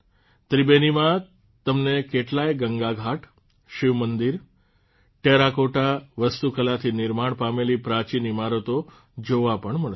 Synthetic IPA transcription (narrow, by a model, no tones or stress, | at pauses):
t̪ɾibenimã | t̪əmnekeʈlajɡəŋɡaɡʱaʈ | ʃiʋmənd̪iɾ | ʈeɾakoʈaʋəst̪ukəlat̪ʰinɪɾmaɽpamelipɾãt͡ʃinimaɾət̪o | d͡ʒoʋapəɳməɭ